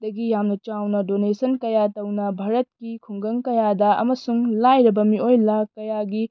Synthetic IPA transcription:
d̥ɐɡijamnɐt͡ʃawnɐdonesɐnkɐjatɐwnɐbʱaɾɐt̚kikʰuŋɡɐŋkɐjadɐɐ̰mɐsuŋlajɾɐbɐmiojlakɐjaɡi

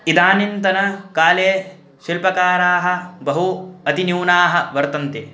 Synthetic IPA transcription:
id̪aːnint̪ɐnɐkaːleː | ʃilpɐkaːɾaːɦɐ̆bɐɦuɐt̪injiːnaːɦɐ̆ʋɐɾt̪ɐnt̪eː

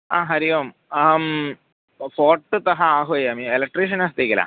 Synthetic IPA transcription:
a̰ːɦɐɾijoːm | m | foːrʈːɨt̪ɐɦɐaːɦojaːmielek̚ʈːriʂ̬ɐnaːst̪ekʲːɐla̰ː

